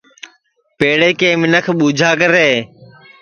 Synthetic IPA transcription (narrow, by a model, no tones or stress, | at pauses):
peːɽeːkẽːmɪnəkʰɓuːd͡ʒʱaːkəɾeː